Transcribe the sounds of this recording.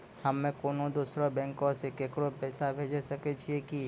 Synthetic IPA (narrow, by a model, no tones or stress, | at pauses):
həmːẽkoːnod̪uːsɾobɛ̃ːŋkõsekeːkɾopɛːsabʱeːd͡ʒesəket͡ʃʰieki